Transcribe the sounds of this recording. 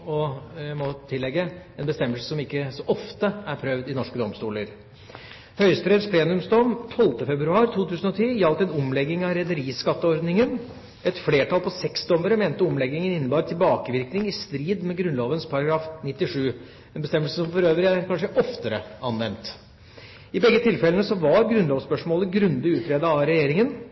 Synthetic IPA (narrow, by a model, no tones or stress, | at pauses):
ɔjæɪmɔt̪ʰɪlːɛɡːəɛnbəst̪ɛmːəlsəsɔmɪkːəsɔʔɔft̪əæɾpʰɾœʋd̪ɪnɔʂkəd̪ɔmst̪uːləɾ | hœʏspɾeːd̪spʰleːnʉmsd̪ɔmt̪ʰɔlt̪əfɛbɾʉɑːɾt̪ʰuːt̪ʰʉːsənɔt̪ʰiːjɑlt̪ɛnʊmlɛɡːɪŋɑɾɛd̪əɾiːskɑt̪ːəɔɾd̪nɪŋən | ɛt̪fleːʈɑlpʰɔsɛksd̪ɔmd̪əɾəmeːnt̪əɔmlɛɡːɪŋənɪnːəbɑːɾt̪ʰɪlbɑːkəʋɪɾknɪŋɪst̪ɾiːd̪mɛɡɾʉnloːʋənspʰɑɾɑɡɾɑːfnɪt̪ːɪʂʉː | ɛnbəst̪ɛməlsəsɔmfɔɾøːʋɾɪækʰɑnʂəʔɔft̪əɾə̰ɑnʋɛnt̪ | ɪbɛɡːət̪ʰɪlfɛlənəsɔʋɑɾɡɾʉnloːʋspœʂmoːləɡɾʉnd̪ɪʉːt̪ʰɾeːd̪əɑɾɛjeːɾɪŋən